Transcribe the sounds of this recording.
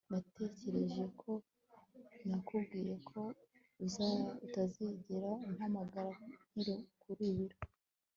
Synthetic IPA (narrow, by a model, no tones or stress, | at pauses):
natʰe̞ːce̞ɾe̞ʒje̞kʰo̞ | nakubɡiːɾe̞kʰo̞ | uzutaziɟiɾaiŋhamaɡaɾan̥hiɾokuɾiβiɾo